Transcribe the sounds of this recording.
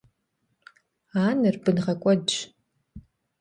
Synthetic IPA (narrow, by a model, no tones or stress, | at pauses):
aːnɨrbɨnʁɐkʷʼɔdt͡ʃ